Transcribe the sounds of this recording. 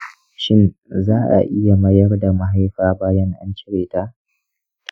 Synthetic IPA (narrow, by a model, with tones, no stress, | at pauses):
ʃɪ˦nzaː˦ʔa̰˨ʔɪ˦ja˨mɐ˦jɐ˦rda˨ma˦ɦa˦jɸaː˦baː˦jɐ˦ŋʔa̰˦nt͡ʃɪ˦ɽeː˨taː˦